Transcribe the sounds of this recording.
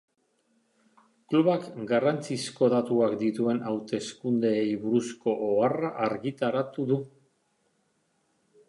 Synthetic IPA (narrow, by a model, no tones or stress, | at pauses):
kluβakɡarant͡sisko̞ðat̪uakd̪it̪ue̞nawt̪e̞skund̪eːjβuɾusko̞ʔoaraʔaɾɣit̪aɾat̪uðu